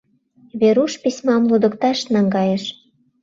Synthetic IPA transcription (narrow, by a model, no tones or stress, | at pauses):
βeɾuʃpisʲmɑmlod̪ɤ̆kt̪ɑʃnɑŋɡɑjĕʃ